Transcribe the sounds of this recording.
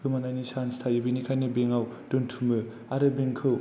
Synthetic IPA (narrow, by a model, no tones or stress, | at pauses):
kɯmanajnisanstʰajibinikʰajnɯbeŋawd̥ɯntʰumɯ | aɾɯbeŋkʰɯ